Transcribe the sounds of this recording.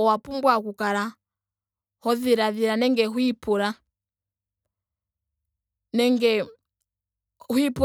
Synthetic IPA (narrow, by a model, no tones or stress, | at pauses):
ɔwapumbwakukala | hɔðiɾaðiɾanɛŋɡɛɦwipuɾa | nɛŋɡɛ | hwipu